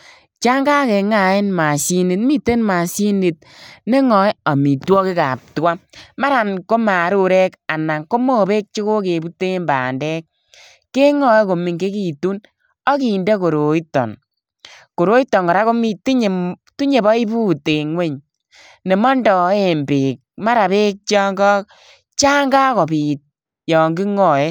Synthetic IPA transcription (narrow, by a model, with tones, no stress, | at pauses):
t͡ʃa˦ŋɡa˦ke˨ŋa˨e˦nma˨si˦ni˨tmi˦tːe˦nma˨si˦ni˨t̚ne˦ŋɔ˨ja˨mi˨twɔ˦ke˦ka̰˨p̚twa˦ma˦ɾa˨nko˦ma˨˦ɾu˦ɾɛ˦ka˨na˨ŋko˦mo˦˨be˦k̚t͡ʃi˦ko˦ke˨bu˦te˦mba̰˨ndɛ˦k̚ː | e˦ŋɔ˨˦jko˨mi˨ŋke˦ki˨tu˦n | ɔ˦ki˨nde˦ko˨ɾo˨i˦tːɔ̰˨n | ko˨ɾo˦i˦tːɔ˨ŋkɔ˨ɾa˦ko˦mi˦ti˦ɲ˨tu˦ɲe˨bɔ˦i˦bu˦te˨ŋwe˦ɲ | ne˨mɔ˦ndɔ˨e˦˨mbe˨k̚ma˦ɾa˨be˦k̚t͡ʃɔ˦ŋɡɔ˦k̚ | t͡ʃa˦ŋɡa˦ko˨pi˨t̚ | jɔ˨ŋɡi˦ŋɔ˨je˦